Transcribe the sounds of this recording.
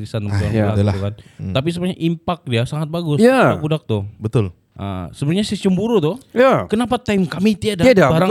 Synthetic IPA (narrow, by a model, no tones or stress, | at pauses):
ɾisanəmaŋalatukant̪ap̬is̬əbəɾɲa̰ʔimpak̚diasaŋat̪̚baɡʊsadabudak̚t̪ʊbət̪ʊl | ʔə̰səbənɲasit͡ʃəmbuɾut̪ʊjakənapat̪ajmkamit̪iadaadabaɾa